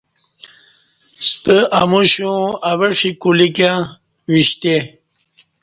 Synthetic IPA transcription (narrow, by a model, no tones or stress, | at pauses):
st̪əamuɕũaweʂikulikã | wiɕt̪e